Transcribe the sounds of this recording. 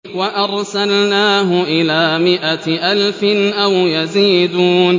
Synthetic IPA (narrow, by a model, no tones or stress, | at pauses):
waʔɑɾˤsalnaːɦʊʔɪlaːmɪʔaʔalfɪnʔawjaziːd̪uːn